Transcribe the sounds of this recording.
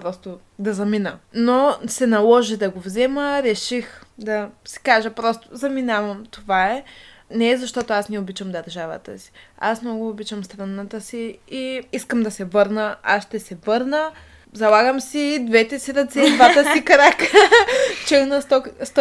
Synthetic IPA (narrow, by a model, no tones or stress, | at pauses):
pɾɔst̪ʊ | d̪ɐzɐminənosɛnɐlˠɔʒid̪ɐɡovzɛməɾɛʃixd̪ɐsi̥kaʒəpɾɔst̪ʊ̥zɐminavɐmt̪ovaɛnɛɛzɐʃt̪ɔt̪ʊasnɛobit͡ʃəmd̪ɐɾʒavə̰t̪ə̰si̥a̰smnnɔɡoːbit͡ʃəmst̪ɾɐnat̪əsiiiskəmd̪ɐsɛvɤɾnəa̰sʃt̪ɛsɛvɤɾnə | zɐlˠaɡəmsid̪vɛt̪ɛsiɾɐt̪sɛd̪vat̪əsikɐɾakə | t͡ʃɛɡnəst̪ɔst̪